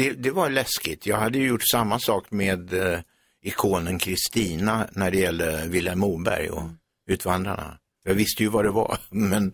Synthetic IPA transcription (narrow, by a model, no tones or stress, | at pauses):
d̪̥ɛd̪ɛvaɭɛskɪt̪ʰjɑːɡhad̪ːəjɵjʊʈːsamːasɑːkmeːd̪ | ɪkʰoːnənkʰɾɪst̪iːnanæɖɛjɛlːəvɪlːɛmuːbæ̰ɾjɔ̰ | ʉ̟ːt̪vand̪ɾa̰ɳa̰ | jɑvɪst̪əjɵvad̪ɛva̰mɛn